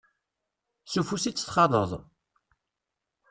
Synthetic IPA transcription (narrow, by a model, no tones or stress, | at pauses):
sufusit͡sːə̥θχɑðˤə̰ðˤ